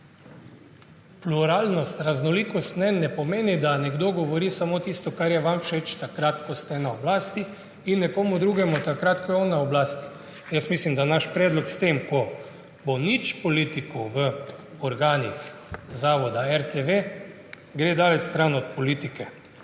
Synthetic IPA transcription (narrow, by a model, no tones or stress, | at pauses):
pluɾaːlnɔst̪ɾaznɔliːkɔst̪nɛnːɛpɔmeːnid̪anɛɡd̪oɡɔʋɔɾiːsamoːt̪iːst̪ɔkaɾjɛʋamfʃet͡ʃt̪akɾat̪kɔst̪ɛnaɔblaːst̪i | inːɛkoːmud̪ɾuːɡɛmut̪akɾat̪kɔjɔnːaɔblaːst̪i̥ | jəsmislimd̪anaʃpɾɛːd̪lɔkst̪emkɔ | bonit͡ʃpɔlit̪ikɔʋə | ɔɾɡaːnixzaːʋɔd̪aɛɾt̪eʋe | ɡɾeːd̪aːlɛt͡ʃst̪ɾanɔt̪pɔliːt̪ikɛ